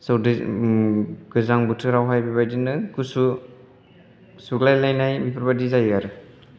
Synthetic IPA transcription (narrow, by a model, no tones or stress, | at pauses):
sɯwdi | ɡ̥ɯzaŋbutʰɯɾawɦajbibajdinɯkusu | suɡlajlajnajbipɾbadizajaɾɯ